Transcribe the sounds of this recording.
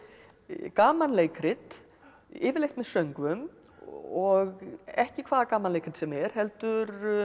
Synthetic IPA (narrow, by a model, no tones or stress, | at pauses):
kaːmanleːjkʰɾɪt̪ | ɪ̰ːvɪɾlejht̪mɛðsœɥŋkvʏm | ɔɣɛhcɪkʰvaːðakaːmanlejkɾɪt̪sɛmɛɾ̥hɛlt̪ʏɾ